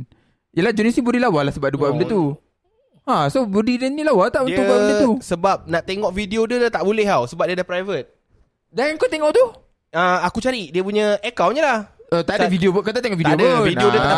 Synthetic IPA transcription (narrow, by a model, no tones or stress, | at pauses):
ijəlahd͡ʒonisibudilawalasəbap̚dubaʔmndət̪u | ãsobudidənilawat̪aʔudt̪ʊuʔbaʔdit̪usəbap̚naʔt̪eŋɔʔfidiodət̪aʔbulɛɦawsəbap̚diadahpɾajvət̪̚ | danŋkot̪eŋɔʔt̪u | əakut͡ʃaɾidiəp̬uɲəʔekawnɲəlahət̪adafidiobkat̪aʔt̪eŋɔʔfit̪iodəvidiodəa